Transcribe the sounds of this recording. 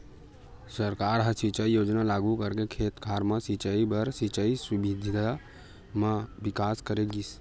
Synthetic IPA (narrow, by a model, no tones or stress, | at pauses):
səɾkaːɾɦə̃sit͡ʃaijoːd͡ʒnalaːɡukəɾkekʰeːt̪kʰaːɾmãsit͡ʃəibəɾsit͡ʃəisʊbid̪ʱd̪a | mãʋɪkaːskəɾeɡis